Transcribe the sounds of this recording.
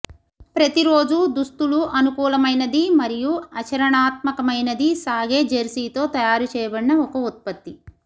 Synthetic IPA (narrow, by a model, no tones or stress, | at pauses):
pɾɐt̪iɾo̞ːd͡ʒud̪ust̪uluʔɐnukuːlɐmɐjnɐd̪imɐɾijuɐt͡ʃɐɾɐɳaːt̪̚mɐkɐmɐjnɐd̪isaːɡe̞ːd͡ʒɐɾsiːt̪o̞ːt̪ɐjaːɾut͡ʃɛːjɐbɐɽiːɐɔkɐut̪̚pɐt̪ːi